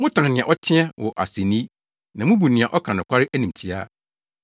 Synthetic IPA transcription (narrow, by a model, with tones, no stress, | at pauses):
mʊ̃˦tʰã˨nɪ̃˨ã˨ʔɔ˦tʰɪ̃˦ɛ˦wʔɔ˨ʔa˨si˨nĩ˦ | nã˨mũ˦bu˨nɪ̃˨ã˨ʔɔ˦kʰã˨nʊ̃˨kʷʰa˦ɾɪ˦ʔæ˦nĩ˨mt͡ɕʰi˨a̰˦